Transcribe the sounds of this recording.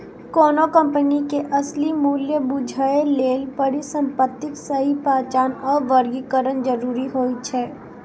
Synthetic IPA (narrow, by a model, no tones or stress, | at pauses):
kɔːnokə̃mpənikeʔɐslimuːljəbʊd͡ʒʱaeleːlpɐɾisə̃mpət̪ːɪksɐɦipaːt͡ʃaːnɔːɾʋəɾɡikəɾənd͡ʒəɾuːɾiɦoːit͡ʃʰɛː